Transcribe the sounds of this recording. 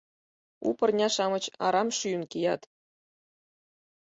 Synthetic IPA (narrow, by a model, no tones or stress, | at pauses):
ṵpɤ̆rnʲɑʃɑmɤ̆t͡ɕɑ̰ɾɑmʃynkʲijɑt̪